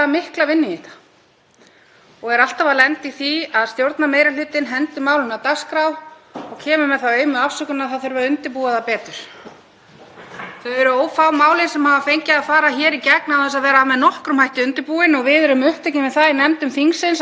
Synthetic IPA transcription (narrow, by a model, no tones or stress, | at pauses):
amɪhklavɪnːɪɪht̪ḁ | ɔɣɛɾal̥t̪avalɛnt̪iθiaðst̪jowɾt̪nameːjɾalʏːt̪ɪnɦɛnt̪ʏmaːwlɪnat̪askɾawɔɣcʰɛːmʏmɛðθawœːɥmʏafsœkʏnaθawθœjɾvɛɾʏnt̪ɪɾpuːaðapɛːt̪ʏɾ̥ | θœɥvɛɾʏoːwfawmaːwlɪnsɛmhaːvafejɲcɪafaːɾaçɛːɾicɛknawθɛs̬aðvɛːɾaamɛðnɔhkɾʏmhajht̪ɪʏnt̪ɪɾpuːɪnɔɣvɪðɛɾʏmʏht̪ɛcɪmɪðθaðinɛmt̪ʏmθiŋsɪns